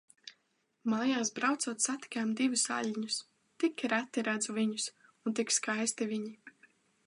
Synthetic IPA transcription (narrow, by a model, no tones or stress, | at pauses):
majaːsbɾawt̪sɔːt̪sat̪i̥kʲaːmd̪ivusa̰ʎʲɲus | t̪ikʲɾat̪ːiɾad̪zuviɲus | unt̪ikskajst̪iviɲi